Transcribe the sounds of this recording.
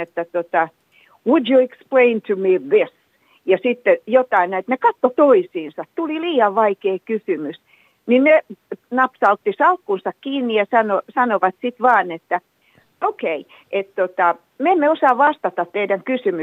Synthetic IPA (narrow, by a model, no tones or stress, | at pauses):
et̪ːæt̪ot̪ɑ | wudjueksplẽint̪ʰumiðɪs | jɑsit̪ːejot̪ɑinæit̪nekɑt̪ːot̪oisiːnsɑt̪t̪uliliːɑʋʋɑikeːkysymys | ninnenɑpsɑlt̪ːisɑlkːunsɑkkiːnːijɑsɑnosɑnoʋɑt̪sit̪ʋɑːnet̪ːæ | okei | ʔet̪t̪ot̪ɑ | meemːeosɑːʋɑst̪ɑt̪ɑt̪t̪eidæŋkysymy